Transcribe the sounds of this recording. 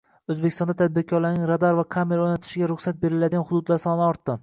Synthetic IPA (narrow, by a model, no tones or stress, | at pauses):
ɵzbekʲɪst̪ɒnd̪at̪ʰad̪̚bɪɾkʰɒɾlaɾnɪŋɾad̪aɾvakʰameɾaojnat̪ʰɪ̥ʃɪɡʲaɾʊχsat̪̚be̞ɾɪlad̪ɪɡanhʊd̪ʊd̪laɾsɒnɪɒɾt̪ːɪ